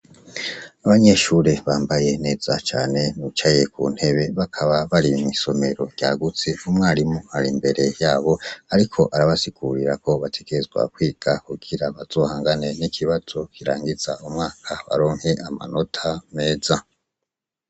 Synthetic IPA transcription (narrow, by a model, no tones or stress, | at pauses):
aβaɲe̞ʃuɾe̞βaːmbaje̞ne̞ːz̥at͡ʃa̰ːne̞nut͡ʃaje̞kʰṵːn̥he̞βe̞βakʰaβaβaɾimŋiso̞me̞ɾo̞ɟ̥aːɡut͡se̞umŋaːɾimuhaɾimbe̞ɾe̞jaːβo̞aɾikʰo̞ʔaɾaβasiɡ̥uɾiɾako̞βatʰe̞ɡ̥e̞ɾezɡwa̰kwiːɡ̥akuɡiɾaβaz̥o̞ːhaːŋɡane̞nikʰiβaz̥o̞kiɾa̰ːŋɡiz̥a̰umŋaːkʰaβa̰ɾo̞ːŋhe̞ʔama̰no̞tʰame̞ːza